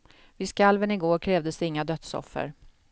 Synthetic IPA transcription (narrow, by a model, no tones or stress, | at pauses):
vɪskalvənɪɡoːɾkʰɾɛːvd̪əsd̪ɪŋːad̪œt̪sɔ̰fːə̰ɾ